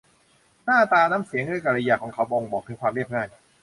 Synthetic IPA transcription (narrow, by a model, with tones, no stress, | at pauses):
naː˥˩t̪aː˧naː˦˥msi˨˩˦əŋɾɯ˥˩˨jka˧˩ɾa˧ja˧kʰɔː˩˦kʰa˦˥wbɔ˧ŋbɔː˨˩k̚t̪ʰːkʰwaː˧mɾi˥˩əp̚ŋaː˥˩j